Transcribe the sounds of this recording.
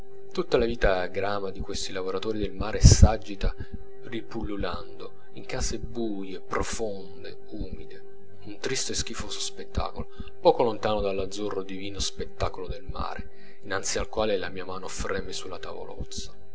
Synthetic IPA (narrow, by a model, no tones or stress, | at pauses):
t̪ut̪ːalaviːt̪aɡɾaːmad̪ikwest̪ilavoɾat̪oːɾid̪elmaːɾesad͡ʒːit̪a | ripulːuland̪o | iŋkaːsebujepɾofond̪e | uːmid̪e | unt̪ɾist̪oesk̟ifoːsospet̪ːa̰ːkolo | pɔːkolont̪aːnod̪alːad̪zːurːod̪iviːnospet̪ːaːkolod̪elma̰ːɾe | inant̪sialkwaːlelamiːamaːnofɾɛːmesulːat̪a̰vo̰lɔ̰t̪sːḁ